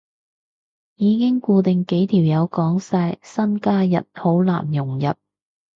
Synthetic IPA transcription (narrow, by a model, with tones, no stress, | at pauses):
jiː˨˧kɪ˥ŋkuː˧t̪ɪ˨ŋke˨˥jt̪ʰiː˨˩wjɐ˨˧wkɔː˨˥ŋsaː˧jsɐ˥nkaː˥jɐ˨t̚ho˨˥wla̰ː˨˩njʊ˨˩ŋjɐ˨t̚